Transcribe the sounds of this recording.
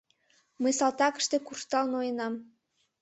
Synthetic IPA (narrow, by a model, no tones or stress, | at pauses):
məjsɑlt̪ɑkə̥̆ʃt̪ekurʃt̪ɑlnojenɑm